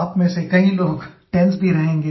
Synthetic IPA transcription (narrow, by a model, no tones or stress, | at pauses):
pmẽsekɐɦĩloːɡʈɛ̃nsbʱiɾɐɦẽːŋɡeː